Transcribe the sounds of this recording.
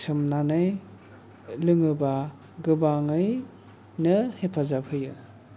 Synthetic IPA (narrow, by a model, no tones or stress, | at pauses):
sʰɯmnanɯj | lɯŋɯba | ɡɯbaŋɯj | nɯhepʰazapʰɯjɯ